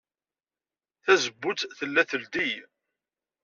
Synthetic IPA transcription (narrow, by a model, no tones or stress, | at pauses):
θæzəbːʊt͡s̪θəlːæθəld̪ij